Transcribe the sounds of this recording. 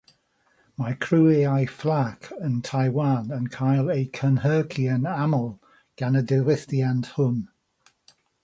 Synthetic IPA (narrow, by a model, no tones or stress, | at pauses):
majkʰɹ̥uːeajflakʰəntʰajwanənkʰaɪlˠekʰənhəːkʰiənaməlˠ | ɡ̥anədɪwɪθtiand̥hʊn